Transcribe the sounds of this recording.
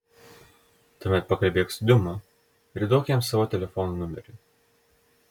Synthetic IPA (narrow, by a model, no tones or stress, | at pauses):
t̪uːmʲɛt̪̚pɐkɐlʲbʲeːksd̪ʲʊmɐ | ɪɾʲd̪oʊkʲɛmsɑʋoːt̪ʲɛlʲɛfɔnunʊmʲɛɾʲʊ